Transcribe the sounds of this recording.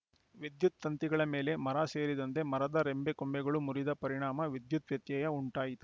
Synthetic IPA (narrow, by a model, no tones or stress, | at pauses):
ʋid̪jut̪ːɐnt̪iɡɐɭɐme̞ːle̞mɐɾase̞ːɾid̪ɐnt̪e̞mɐɾɐd̪ɐɾembekombɛɡɐɭumuɾid̪ɐpɐɾiɳaːmɐʋid̪jut̪ʋjɐt̪jɐjɐuɳʈaːjit̪u